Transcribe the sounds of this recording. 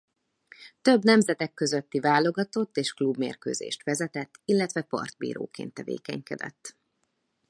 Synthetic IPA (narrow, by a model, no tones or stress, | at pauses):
t̪ø̞bnɛmzɛt̪ɛkːø̞zøt̪ːivaːlo̞ɡɒt̪o̞t̪ːeːʃklubmḛːrkøːzḛːʃt̪ʋɛzɛt̪ɛt̪ːilːɛt̪ʋɛpɒ̰rd̪̥̚bḭːɾo̰ːkḛːnt̪ːɛvḛːkɛ̰ɲkɛd̪ɛ̰t̪ː